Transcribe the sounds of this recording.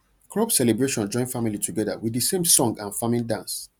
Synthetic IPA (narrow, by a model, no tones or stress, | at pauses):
kʰɹɔbsɛlɛbɹeʃɔ̃nd͡ʒɔ̃ɪ̃nfamilitʰuɡɛðə̰wiðəsẽmsɔ̃ŋɡãnfamĩndãns